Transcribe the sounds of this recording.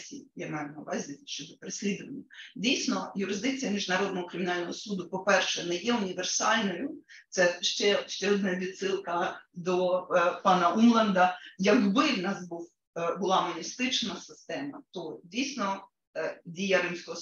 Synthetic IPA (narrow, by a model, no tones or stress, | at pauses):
sʲḭjamɛjʊnɐʋɑzʲɪʃt͡ʃɔd̪ɔpeɾesʲlʲid̪ʊʋɐnʲːɐdʲijsʲnɔjʊɾɪzd̪ɪk̚t͡sʲijɐmʲiʒnɐɾɔd̪nɔɦɔkɾʲɪmʲɪnɑlʲnɔɦɔsud̪ʊpɔpɛrʃɛnɛjɛʊnʲiʋersɑlʲnɔjʊt̪sɛʃt͡ʃɛʃt͡ʃɛɔd̪nɐʋʲid̪sɪlˠkɐd̪ɔpɑnɐʔumlˠɛnd̪ɐjɐɡbɪwnɑzbuw | bʊlˠɑmɔnʲist̪ɪt͡ʃnɐsɪst̪ɛmɐt̪ɔdʲijsʲnɔ | dʲijɐɾɪmsʲkɔɦɔ